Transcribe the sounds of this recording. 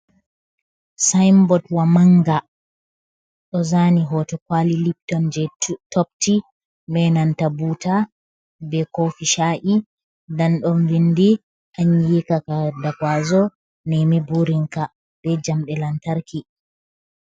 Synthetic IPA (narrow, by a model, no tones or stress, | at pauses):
sajmbɔdwamaŋɡa | ɗɔzaniɦɔtɔkwalilip̚tɔnd͡ʒɛtɔp̚ti | bɛnantabuta | bɛkofiʃaʔi | danɗɔnvindi | ʔaɲjikakadakwazɔ | nɛmibuɾiŋka | b̥ɛd͡ʒamɗɛlantaɾki